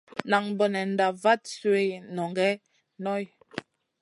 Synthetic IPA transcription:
na˨ŋbɔ˨nɛ˨n̩˨da˨va˦t̚swe˦˨nɔ˨ŋɡɛ˦ | nɔ˦˨j

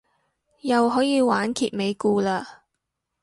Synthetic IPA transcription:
jɐ˨wɦɔː˨˥jiː˧waː˨˥nkʰiː˨t̚me˨˧jkuː˧laː˧

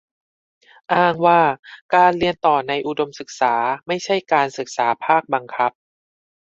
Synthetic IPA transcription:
ʔaː˥˩ŋwaː˥˩kaː˧nli˧ənt̪ɔː˨˩na˧jʔu˨˩do˧msɯ˨˩k̚saː˩˦ma˥˩jt͡ɕʰa˥˩jkaː˧nsɯ˨˩k̚saː˩˦pʰaː˥˩k̚ba˧ŋkʰa˦˥p̚

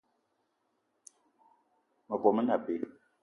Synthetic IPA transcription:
mə˨kɔ˨mə˦na˨pe˨˦

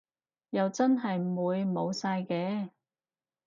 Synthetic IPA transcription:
jɐ˨wt͡sɐ˥nɦɐ˨jmuː˨˧jmo˨˧wsaː˧jkɛː˧

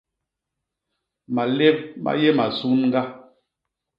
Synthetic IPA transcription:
ma˨le˦b̚ma̰˦je˦ma˨su˦nŋ̩˦ɡa˦

